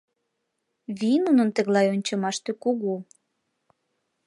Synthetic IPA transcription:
βinunə̆nt̪ə̆ɣlɑjonʲt͡ɕɤmɑʃt̪økuɣu

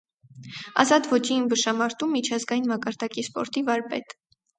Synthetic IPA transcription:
ɑ̰zɑt̪vɔt͡ʃiːmbəʃɑmɑɾt̪umːit͡ʃʰɑzɡɑjinmɑkɑɾd̪ɑkispɔ̰ɾt̪ivɑɾpɛ̰t̪

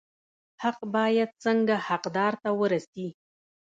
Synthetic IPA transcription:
haqbɑjad̪̚t͡səŋɡahaqd̪ɑɾt̪awəɾasi

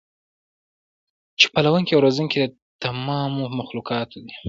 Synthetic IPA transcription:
t͡ʃe̥palawuŋkewɾozuŋked̪ə | t̪amɑmomaxlukɑt̪ʰd̪i

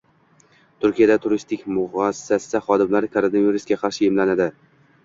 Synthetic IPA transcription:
t̪ʰʊɾkʲijad̪at̪ʰʊɾɪst̪ʰɪkʲmʊʁɒsɪ̥sasɪsaχɒd̪ɪmlaɾɪkʰoɾonaviɾɪsɡʲaqʰɑɾʃɪɪmlanad̪ɪ

